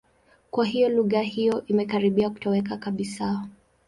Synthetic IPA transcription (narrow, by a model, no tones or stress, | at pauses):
kwaɦijɔluɣahijɔʔimɛkaɾiɓiaku̥tɔwɛkakaɓisa